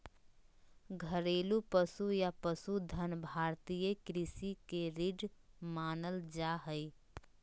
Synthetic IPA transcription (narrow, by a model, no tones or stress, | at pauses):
ɡʱəɾeːlupəsujapəsud̪ʱənbʱaːɾt̪ijəkɾɪsikeɾiɖmaːnəld͡ʒaɦəi